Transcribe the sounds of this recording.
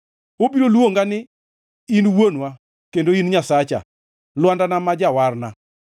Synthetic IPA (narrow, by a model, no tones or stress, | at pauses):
obiɾolwoŋɡanɪ | inwonwa | kendoinɲasat͡ʃa̰ | lwandanamad͡ʒawarna